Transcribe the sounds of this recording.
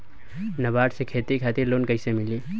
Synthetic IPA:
nɐbaːʈsekʰeːt̪ikʰaːt̪ɪɾloːnkəɪsemɪliː

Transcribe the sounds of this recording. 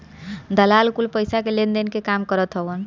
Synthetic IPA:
d̪əlalkulpəjsakelend̪enkekamkəɾət̪ɦəbən

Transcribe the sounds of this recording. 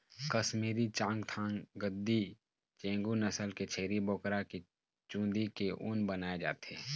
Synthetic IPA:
kəsmiːɾit͡ʃãːŋɡt̪ʰãːŋɡəd̪ːi | t͡ʃẽːŋɡunəsəlket͡ʃʰeːɾibɔːkɾaki | t͡ʃũːd̪ikeʔʊ̰̃nbənaːed͡ʒa̰ːt̪eɦɛ

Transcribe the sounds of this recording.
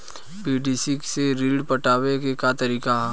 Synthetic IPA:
piːɖisikseɾiːɖpɐʈaːwekekat̪ɐɾiːkaɦ

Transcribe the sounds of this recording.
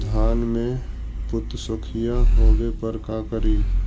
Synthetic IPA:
d̪ʱaːnmẽ | pʊt̪sʊkʰijaɦoːɡepəɾkaːkəɾiː

